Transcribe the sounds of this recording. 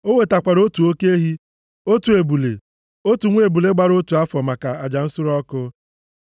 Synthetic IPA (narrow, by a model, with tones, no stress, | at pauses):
o˦ŋʷe˨ta˨kʷa˨ɾo˦tu˨o˦ke˦e˦ɦi˦ | o˦tu˨e˨bu˨lḛ˨ | o˦tu˨ŋʷ˦e˨bu˨le˦ɡ͡ba˨ɾo˦tu˨a˦fɔ˨ma˨ka˨a˨d͡ʒa˨n̩˦sʊ˦ɾɔ˦kʊ˦